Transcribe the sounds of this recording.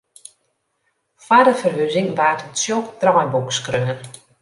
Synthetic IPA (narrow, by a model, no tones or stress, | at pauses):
fadəfərɦøzɪŋʋaːtəsjokdrɔjbukskrøŋən